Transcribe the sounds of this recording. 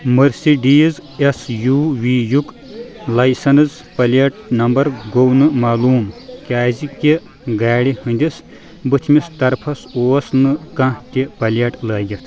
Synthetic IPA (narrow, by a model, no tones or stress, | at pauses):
mɐɾsiɖiːzesjuːʋiːjuk | lɐjsɐnɨz | pɐlɐʈ̚nɐmbɐɾɡownɨmaːluːmkʲaːziki | ɡaːɽihɨnʲd̪ʲis | bɨt͡ʃ̪ʰmist̪ɐɾpʰɐsoːsnɨkɐ̃t̪ʲipɐlɐʈlɐːɡʲit̪ʰ